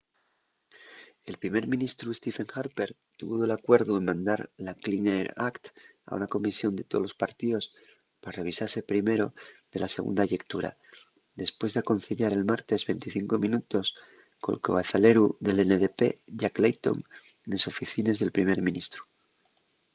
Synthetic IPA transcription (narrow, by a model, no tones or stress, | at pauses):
e̞lpɾime̞ɾmĩnist̪ɾue̞st̪ife̞ŋxaɾpe̞ɾ | t̪uβuβolakwe̞ɾðue̞nmãnd̪aɾlaklineɾa̰kt̪ | a̰ṵnako̞misjo̞nd̪e̞t̪olo̞spaɾt̪iðo̞s | paɾare̞β̞isaɾse̞pɾime̞ɾo̞ðe̞lase̞ɣ̞ṵnd̪aʝe̞kt̪uɾa̰ | ðe̞spwe̞zðeako̞nθeʎaɾe̞lmaɾt̪e̞zβe̞nt̪iθiŋko̞mĩnut̪o̞s | ko̞̰lkoɣaθale̞ɾuðe̞leneðepe̞̰ʝaklejt̪o̞̰n | neso̞fiθine̞zðe̞lpɾime̞ɾmĩnist̪ɾu̥